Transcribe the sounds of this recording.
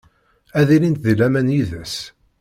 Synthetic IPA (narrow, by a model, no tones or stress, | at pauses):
æðilint̪ðilæmænjiðæs